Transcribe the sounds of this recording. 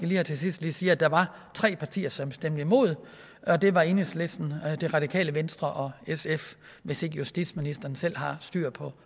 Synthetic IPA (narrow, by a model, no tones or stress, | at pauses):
ɡ̥æliːhæt͡sʰe̝sisd̥liːsiːæd̥ɑ̈ʋɑ̈ | t͡sʰʁɛ̰ːpʰɑ̈t͡sʰḭːɐsɒ̽msd̥em̰d̥əimo̝ð̞̰ˠ | ɒ̽d̥e̝ʋɑ̈e̝ːnəsle̝sd̥n̩d̥e̝ʁɑ̈d̥ikʰɛ̰ːləʋensd̥ʁɐʔɒ̽esef | ʋe̝se̝ɡ̥əjusd̥i̥sminisd̥ɐːn̩sel̰ɦɑ̈sd̥y̰ːɐ̰pʰɒ̽